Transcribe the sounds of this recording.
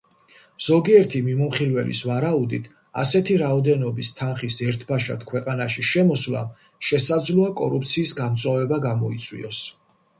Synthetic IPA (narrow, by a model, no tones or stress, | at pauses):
z̥ɔɡiɛɾt̪ʰimimumχilvɛlḭsvaɾaud̪ḭt̪ʰ | a̰sɛt̪ʰiɾaɔd̪ɛnɔbist̪ʰanχisɛɾt̪ʰbaʃa̰t̪ʰkʰwɛqʼanaʃiʃɛmɔswla̰ | ʃɛsad̪zlɔakʼɔɾup̚ʰt̪sʰiːsɡamt̪sʼwavɛbaɡamɔit̪sʼwḭɔs